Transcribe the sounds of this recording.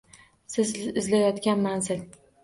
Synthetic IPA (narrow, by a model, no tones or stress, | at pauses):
sɪzɪzlajɒt̪kʲanmanzɪl